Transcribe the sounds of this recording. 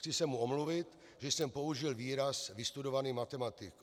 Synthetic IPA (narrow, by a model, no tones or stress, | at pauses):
t͡sɪsɛmːuomluvɪt̪ | ʒɛsɛmpo̞uʒɪlviːɾasvɪst̪udovaniːmat̪ɛmat̪ɪk